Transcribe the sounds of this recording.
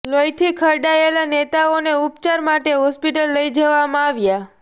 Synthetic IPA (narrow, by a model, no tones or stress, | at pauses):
lojt̪ʰikʰəɾɖaelanet̪aoneupt͡ʃaɾmaʈeɦɔspiʈəlːəjd͡ʒəʋamãaʋja